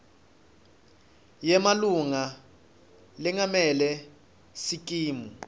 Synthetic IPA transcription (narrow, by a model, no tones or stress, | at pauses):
jɛmaluŋa | lɛŋamɛlɛ | sik̬ʼiːmu